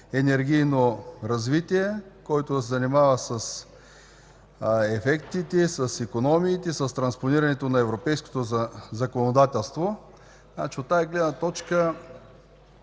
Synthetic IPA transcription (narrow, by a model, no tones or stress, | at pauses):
ɛnɛɾɡ̟ʲijnoɾɐzvit̪iɛkɔjt̪osɛzɐnimavəsɐs | ɛfɛkt̪it̪ɛsɐsikonɔmiːt̪ɛsɐst̪ɾɐnsponiɾɐnɛt̪onɐɛvɾopɛjsko̥t̪ozɐkonod̪at̪ɛlˠst̪vo | na̰t͡ʃiot̪ːaɛɡlɛd̪nət̪ɔt͡ʃkə